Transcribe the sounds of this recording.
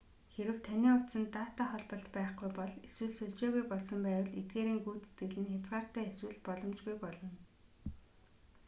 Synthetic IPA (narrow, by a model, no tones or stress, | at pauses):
xeɾɘ̆wt̪ʰaniːʊt̪sə̆nt̪aːt̪aːχɔɮpə̆ɬt̪pæːχɡujpɔɮeswɘ̆ɮsɵɮt͡ɕeːɣujpɔɮsɞ̆mpæːw̆ɮet̪̚ɡeːɾiːŋɡuːt͡se̥t̪ɡɘ̆ɮɘ̆nxʲat͡sɢaːr̥t̪æːeswɘ̆ɮpɔɮɞ̆mt͡ɕɡujpɔɮɞ̆n